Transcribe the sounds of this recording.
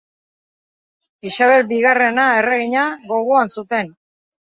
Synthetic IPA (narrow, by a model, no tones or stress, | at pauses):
isaβ̞e̞lbiɣare̞nae̞reɣiɲaɣo̞ɣoansut̪e̞n